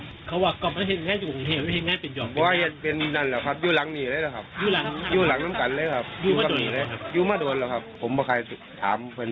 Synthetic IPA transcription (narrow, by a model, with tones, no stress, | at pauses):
kʰa˧˥waː˧˩kɔː˧˩pma˧n˥˩he˧˦t̚ŋaː˧˥˨nt͡ɕuː˧˩ko˨ŋt̪ʰeː˧˩p̚a˧˥˩e˨˧n̚ŋaː˧˥˨npe˨njɔː˨˩bɔː˨˧˦waː˧hi˧˩t̪̚pe˧n˧na˧˥˩nlɛː˨˩kʰa˦˥˩p̚juː˧˩la˨˦ŋniː˧˩˨ɾaː˧˥˦la˧˩kʰa˦˥p̚juː˧˩la˨˦ŋjuː˧˩la˨˦ŋna˧˥˨mka˨˦nləː˧˩˨kʰa˦˧˩p̚juː˧maː˧a˧do˨lːkʰa˦˧˩p̚juː˧˩maː˧˩do˨˧ənlɛː˧˩wkʰa˦˧˥pʰːo˩˦mbɔː˧kʰa˧˩jt̪ʰaː˨˦mpʰɯ˧˨n